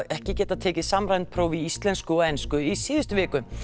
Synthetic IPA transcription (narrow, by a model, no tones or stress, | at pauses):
ɛhcɪcɛːt̪aðt̪ʰeːcɪsamɾajnt̪̚pʰɾoːwviist̪lɛnskʏɔɛjnskʏisiːðʏst̪ʏvɪːkʏ